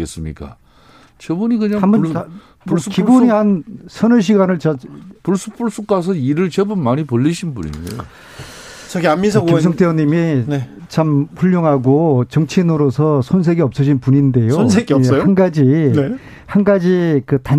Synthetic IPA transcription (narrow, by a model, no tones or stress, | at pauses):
es͈ɯmɲḭk͈a̰ | t͡ɕʌbunikɯɲaŋhambʌ | ukiboɲihansʰʌnɯɕ̬ʰiɡanɯɭt͡ɕapuɭs͈upʰuɭs͈uk͈asʰʌiɾɯɭt͡ɕebunmaɲipoʎːiɕʰinbunḭndḛjo̰ | t͡ɕʌkɡianmːis̬ʰʌkes̬ʰʌŋt͈ʰeʌɲːimine | t͡ɕamɸuʎːoŋɦaɡot͡ɕʌŋt͡ɕʰinɯɾosʰʌsʰonsʰe̞ɡiʌp̚s͈ʌd͡ʑʰinpuɲinde̞joonsʰeɡiʌsanɡad͡ʑie | hanɡad͡ʑikɯta